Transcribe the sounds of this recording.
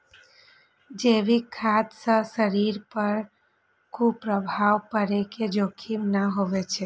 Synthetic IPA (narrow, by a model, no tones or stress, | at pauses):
d͡ʒeːʋikʰːad̪səsəɾiɾpəɾ | kupɾəbʱaːʋpəɾeked͡ʒokʰimnaɦoʋet͡ʃʰe